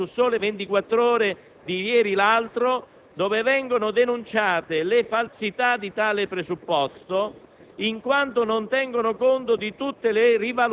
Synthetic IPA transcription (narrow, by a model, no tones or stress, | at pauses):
usɔːlɪvent̪ikwat̪ːɾɔːɾɪ | d̪ijɛːɾilalt̪ɾo | d̪ɔːvɪvɛŋɡonʊd̪enunt͡ʃaːt̪ɪlɪfalsit̪ad̪it̪aːlɪpɾezupːɔst̪o | iŋkwant̪onont̪ɛŋɡonokont̪od̪it̪ut̪ːelɪrival